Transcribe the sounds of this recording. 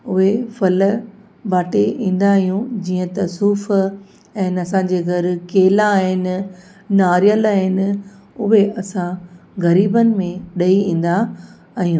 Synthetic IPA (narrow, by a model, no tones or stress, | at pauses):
ʊɦefɐl | baːʈeʔĩːn̆d̪aːɦijũd͡ʑiːə̃t̪ɐsuːf | ɛ̃ːnɐsãːd͡ʑeːɣɐɾkeːlaːɦɪnɪ | naːɾijəlaːɦɪnɪ̆ | ʊɦeɐsãɣɐɾiːbənɪ̆mẽɗɐiĩːn̆d̪aː | ɦijũː